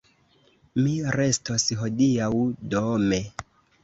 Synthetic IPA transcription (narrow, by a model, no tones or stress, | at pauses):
miɾe̞stosɦo̞diawdome